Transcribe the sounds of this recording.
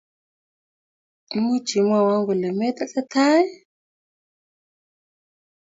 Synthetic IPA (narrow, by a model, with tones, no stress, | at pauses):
mu̥˦d͡ʒ̥i˨mwa˨wa˦ŋɡu˨lɛ˨mɛ˦t̪a˦ɬa˦tʰa˦ɛ˦